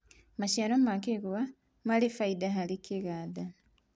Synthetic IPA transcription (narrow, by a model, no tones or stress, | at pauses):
maʃaɾommakiɡuwa | malifaidaɦalikiɣaːda